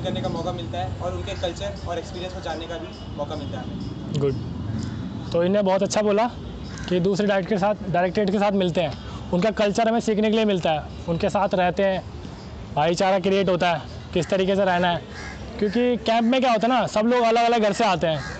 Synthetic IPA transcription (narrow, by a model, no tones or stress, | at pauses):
kɐɾnekamɔːkamɪlt̪aɦɛɔːɾʊnkekɐlt͡ʃəɾɔːɾekspiːɾijə̃nskod͡ʒaːnekabʱi | mɔːkamɪlt̪aɦɛ | ɡʊɖ | t̪oɪnːẽbɔːt̪ɐtːʃʰaboːla | kid̪uːsɾeɖaːɾkʈkesaːt̪ʰɖaːɪɾeːk̚ʈɾeːʈkesaːt̪ʰmɪlt̪eɦɛ̃ː | ʊnkakɐlt͡ʃəɾmẽsiːkʰnekeliemɪlt̪aɦɛː | ʊnkesaːt̪ʰɾɛɦt̪eɦɛ̃ː | bʱaːit͡ʃaːɾakɾieːʈ̬ɦoːt̪aɦɛː | kɪst̪ɐɾiːkeseɾɛɦnaɦɛː | kjõːkikɛ̃ːmpmẽk̬jaɦoːt̪aɦɛnasɐbloːɡɐləɡɐləɡɡʱɐɾseaːt̪eɦɛ̃ː